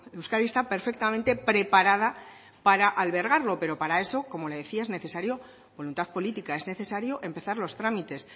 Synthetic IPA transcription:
luskaðiest̪ape̞ɾfe̞k̚t̪amẽnt̪e̞pɾe̞paɾað̞a | paɾaʔalβeɾɣ̞aɾlo̞pe̞ɾo̞paɾae̞so̞ko̞mo̞le̞ðe̞θiae̞zne̞θe̞saɾjo̞ | bo̞lunt̪aðpo̞lit̪ikae̞zne̞θe̞saɾjo̞ʔe̞mpe̞θaɾlo̞st̪ɾamit̪e̞s

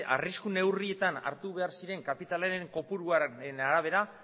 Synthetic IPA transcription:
a̰riskune̞wrie̞t̪ana̰ɾt̪uβe̞aɾsiɾe̞ŋkapit̪aleɾeŋko̞puɾuaenaɾaβ̞e̞ɾa

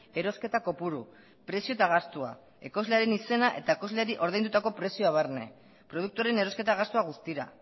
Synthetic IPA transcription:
e̞ɾo̞ske̞t̪ako̞puɾu | pɾe̞sio̞et̪aɣ̞ast̪ua | e̞ko̞zle̞aɾe̞nise̞naʔe̞t̪aeko̞zle̞ɾiʔo̞ɾðejnd̪ut̪ako̞pɾe̞sio̞aβ̞arne̞̰ | pɾo̞ð̞uk̚t̪uaɾe̞ne̞ɾo̞ske̞t̪aɣast̪uaɣ̞ust̪iɾa̰

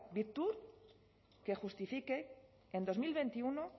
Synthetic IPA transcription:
bik̚t̪uɾ | ke̞xust̪ifike̞ | end̪o̞zmilβent̪iuno

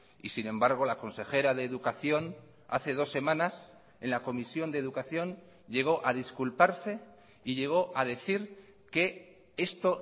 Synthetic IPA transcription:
isinẽ̞mbaɾɣ̞o̞lako̞nse̞xe̞ɾaðe̞ːðukaθjo̞n | a̰θe̞ð̞o̞sːe̞mãnas | e̞nlako̞misjo̞nd̪eðukaθjo̞n | ʎe̞ɣ̞o̞ʔað̞iskulpaɾse̞ | iʎe̞ɣ̞o̞ʔað̞e̞θiɾ | ke̞ | e̞st̪o̞

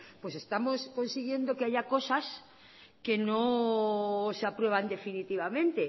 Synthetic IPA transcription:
pwe̞se̞st̪amosko̞nsiɣje̞nd̪okeaʝako̞sas | keno | sapɾwe̞β̞and̪e̞finit̪iβ̞amẽ̞nt̪e

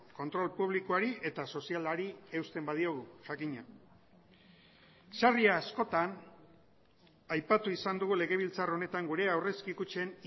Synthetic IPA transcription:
ko̞nt̪ɾo̞lpuβ̞likoaɾiʔe̞t̪aso̞sialaɾie̞wst̪e̞mbað̞io̞ɣ̞uʝakiɲa | sariaːsko̞t̪an | ajpat̪uisand̪uɣule̞ɣe̞β̞ilt͡saro̞ne̞t̪aŋɡuɾe̞awre̞skikut͡ʃe̞n

